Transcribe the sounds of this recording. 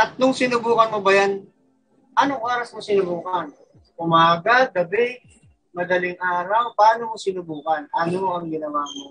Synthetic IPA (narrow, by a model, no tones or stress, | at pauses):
ʔɐt̪̚nʊŋsɪnʊbuːkɐnmobɐjan | ʔɐnoŋʔoːɾɐsmosɪnʊbuːkɐn | ʔʊmaːɡɐd̪ɐbɛj | mɐd̪ɐlɪŋʔaːɾɐwpaːnomosɪnʊbuːkɐnʔɐnomoʔɐŋɡɪnɐwaːmo